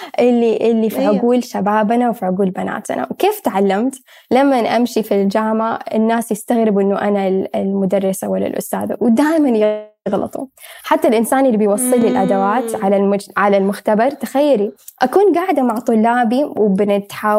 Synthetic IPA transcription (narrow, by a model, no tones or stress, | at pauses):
ʔɪlːiʔɪlːifiʕʊɡuːlʃabaːbnawfiʕʊɡuːlbana̰ːt̪na̰wkeːft̪ʕalːamt̪ | lamːanʔamʃifild͡ʒaːmaɪnːaːsjɪst̪aɣɾɪbʔɪnːʊʔanalɪlmʊd̪ɑrˤːɑsawɪlːa̰lʔʊ̰st̪a̰ːða̰wd̪aːʔmanjɪ | ɣlɑ̰t̪ˤṵħat̪ːalʔɪnsaːnʔɪlːibɪjwɑsˤːɨlːɪlʔad̪awaːt̪ʕalaʕalalmʊxt̪abɑɾˤt̪axajːaɾiʔakuːnɡaʕɪd̪amaʕt̪ˤʊlːaːbiwbɪnɪt̪ħa